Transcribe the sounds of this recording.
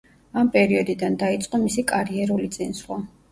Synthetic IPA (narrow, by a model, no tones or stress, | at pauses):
ampʼɛɾiɔd̪id̪and̪ait̪sʼqʼɔmisikʼaɾiɛɾulit̪sʼinswa